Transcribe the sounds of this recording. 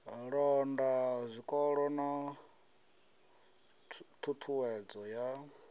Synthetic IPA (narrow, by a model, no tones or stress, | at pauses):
ɺɔndazʷikʼɔɺɔna | tʰutʰuwɛd͡zɔja